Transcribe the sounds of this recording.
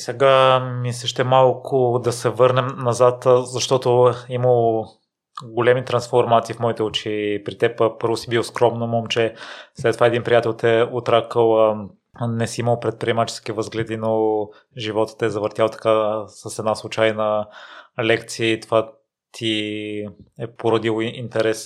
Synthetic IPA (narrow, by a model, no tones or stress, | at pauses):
sɛɡamisəʃt̪ɛmalˠkʰʊd̪ɐsɛvɤɾnɛmnɐzat̪zɐʃt̪ɔt̪oiməlˠ | ɡolʲɛmit̪ɾɐnsfoɾmat̪siːfmɔit̪ɛot͡ʃipɾit̪ɛppɤɾvosibilˠoskɾɔmnomɔmt͡ʃɛslɛt̪ːovaɛd̪inpɾijat̪ɛlˠt̪ɛot̪ɾakəlˠ | nɛsiiməlˠpɾɛt̪̚pɾiɛmat͡ʃɛ̥sk̟ivəzɡlɛd̪ino | ʒivɔt̪ə̥t̪ɛzɐvəɾt̪jalˠt̪ɐ̥kasəsɛd̪naslˠut͡ʃajnə | lɛkt̪siəit̪ova | t̪ʰi | ɛpoɾɐd̪ilˠint̪ɛɾɛs